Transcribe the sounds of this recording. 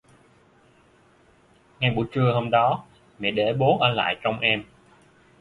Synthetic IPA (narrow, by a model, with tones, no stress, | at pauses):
ŋa˧jɓṵ˨˧˩t͡ɕɨ˧əɦo˧mɗɔ˨˦ | mɛ̰ː˧˨ɗe˧˩ɓo˨˦nʔəː˧˩la̰ː˧˨jt͡ɕɔ˧wŋ͡mʔɛ˧m